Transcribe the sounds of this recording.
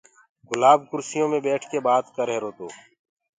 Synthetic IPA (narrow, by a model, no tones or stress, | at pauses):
ɡʊlaːb̚kʊɾsɪjõːmẽːbɛːʈʰkeːbaːt̪kəɾɦeːɾoːt̪oː